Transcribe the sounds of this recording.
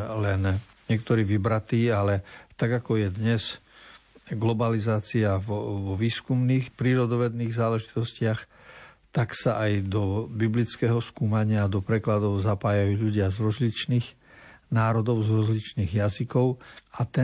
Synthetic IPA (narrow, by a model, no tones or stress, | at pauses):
lɛn | ɲɪɛkt̪ɔɾiːʋibɾat̪iːalɛt̪aɡakɔjɛd̪ɲɛs | ɡlɔbalizaːt͡siaʋɔʋiːskumniːxpɾiːɾɔd̪ɔʋɛd̪niːɣzaːlɛʒit̪ɔscɪax | t̪aksaʔajd̪ɔbiblit͡skɛːɦɔskuːmaɲɪad̪ɔpɾɛklad̪ɔʊzapaːjajuːʎuɟɪazɾɔzlit͡ʃniːx | naːɾɔd̪ɔʊzɾɔzlit͡ʃniːɣjazikɔʊat̪ɛ